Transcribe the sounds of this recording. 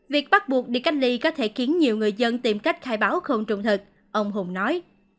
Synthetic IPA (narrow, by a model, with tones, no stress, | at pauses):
vi˨˩ək̚ɓa˦˥t̚ɓu˨˩ək̚ɗi˧˩ka˦˥jk̚li˧kɔ˨˦t̪ʰe˧˩xi˨˦ənɲi˨˩əwŋɨ˨˩əjzə˧nt̪i˨˩mka˦˥jk̟̚xaː˧jɓaː˨˦wxə˧˩wŋ͡mt͡ɕʊ̰˨˩ŋ͡mt̪ʰɨ˨˩k̚ | ʔə˧wŋ͡mɦʊ˨˧˩ŋ͡mnɔ˨˦j